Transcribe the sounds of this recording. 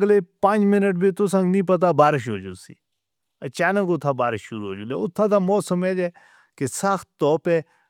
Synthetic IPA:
ɡleːpãːnd͡ʒmɪnəʈ̚biːt̪os̬ə̃ŋɡnĩːp̬ət̪̬aːbaːɾɪʃɦoːd͡ʒṵːsḭː | ət͡ʃaːnə̃ɡʊt̪ʰːaːbaːɾɪʃːʊɾuːɦo̰ːd͡ʒũnd̪ḛʊt̪ʰːãːd̪aːmɔːsəmeːd͡ʒɛː | kesaxt̪ːɔːpɛː

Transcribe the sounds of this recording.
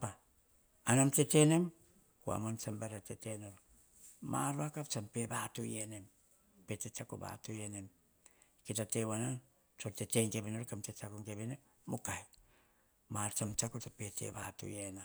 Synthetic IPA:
paː | namtetene̞m | kua̰mont͡ʃambaɾatetenoɾo | ma̰ɾuakapt͡ʃampe̞batujenem | petet͡ʃako̰ba̰tujenem | kitatewanan | t͡ʃoɾteteŋkeβenoɾkamtet͡ʃakoŋkeβenemːukaj | maɾt͡ʃamt͡ʃakotopetḛba̰tṵjena

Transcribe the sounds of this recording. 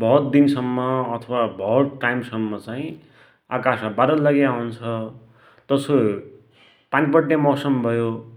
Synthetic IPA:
bʱʌɦt̪̚d̪insʌmːʌːt̪ʰʌwabʱʌɦɾʈajmsʌmːʌt͡saĩ | a̰kasabaɾʌlʌɡeawnt͡sʰʌ | t̪ʌso | panipʌʈnamʌsʌmbʱʌjo

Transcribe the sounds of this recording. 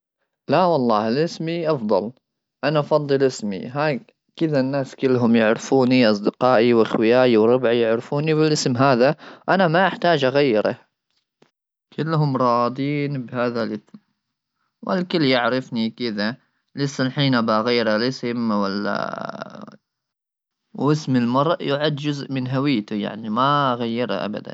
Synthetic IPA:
lawɑlˤːɑːɪlʔɪsmiʔɑfd̪ˤɑ̰l | ʔanaʔɑfɑd̪ˤːɨlʔɪsmḭɦaː | kɪðanːaːskɪlːɦʊmjɪʕɾɪfuːniʔɑs̬ˤd̪ɪqɑːʔiwʔaxwɪjaːʔiwɾˤʊbʕijɪʕɾɪfuːniβɪlʔɪsmɦaːðaʔanamaʔaħt̪aːd͡ʒʔaɣajːɪɾɑ̰ | kʰɪlːɦʊmɾˤɑːd̪ˤiːnbhaːðalʔɪsm | wʔa̰lkɪlːjaʕɾɪfnikɪða | lɪsːalħiːnʔabaɣajːɾalʔɪsɪmwalːa̰ | wɪsmɪlmɑɾˤʔjʊʕad̪d͡ʒʊzʔmɪnɦawɪːt̪ʊja̰ʕnimaɣajːɪɾa̰ʔa̰ba̰d̪a̰n

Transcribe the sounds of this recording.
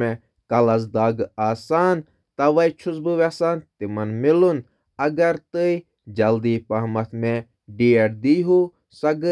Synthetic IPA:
mẽ | kɐlɐs̬d̪aːɡaːsaːn | t̪ɐʋɐjt͡ʃʰʊzbɨʋɛsaːnt̪imɐnmɪlun | ɐɡɐɾt̪ɨi | d͡ʒɐld̪iːpɐɦmɐt̪ʰmẽ | ɖijɐɽd̪iːɦu | sɐɡ

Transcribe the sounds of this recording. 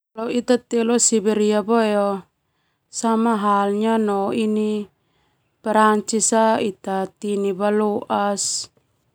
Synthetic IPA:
lawit̪at̪ɛlɔsibɛɾiabojɔ | samaɦalɲanɔini | pɛɾaɲt͡ʃisait̪at̪inibaloʔas

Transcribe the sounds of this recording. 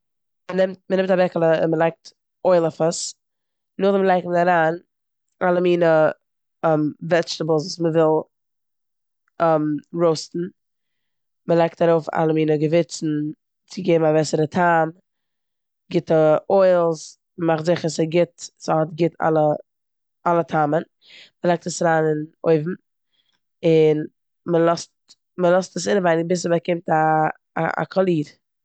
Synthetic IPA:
mənɪmtmənɪmtabɛkəlˠəɪnməlˠaɪk̚t | ʔoɪlˠəfəs | nʊχdəməlˠaɪkmənaɾaːn | ʔalˠəmiːnə | ɛmvɛt͡ʃtəblˠs̬usməvɪlˠ | ɛmɾoʊstn̩ | məlˠaɪk̚t̚d̥aɾoʊfa̰lˠəmiːnəɡəvɪt͡sn̩ | t͡sɪɡeːbmavɛsəɾətʰaːm | ɡɪtəʔɔɪlˠs | mmaχtzɪχəsəɡɪtsəhɔtɡɪtʰa̰lˠə | ʔalˠətʰamən | məlˠɛk̚təsaɾaːnɪno̰ɪvm̩ | ɪn | məlˠɔst | məlˠɔstəsɪnəvaɪnɪbɪs̬əməkɪmta̰ː | a̰kʰɔlˠiːɾ

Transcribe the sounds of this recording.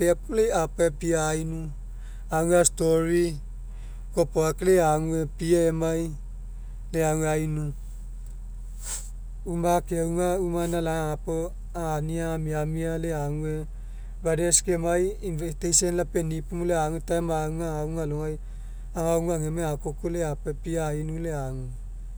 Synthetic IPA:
pepulejapoepiainu | aŋastoɾi | kopoakleaŋuepiaemaj | leaŋueainu | umakeauŋaumanalaaapo | aaniamiamialeaŋue | badeskemajinvestejsenlapenipumuleaŋutaemauŋaauŋaloŋaj | aŋauŋaŋemeakokoleapepiaainuleaŋu

